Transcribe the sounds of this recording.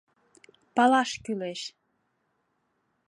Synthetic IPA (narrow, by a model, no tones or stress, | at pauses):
pɑlɑʃkyleʃ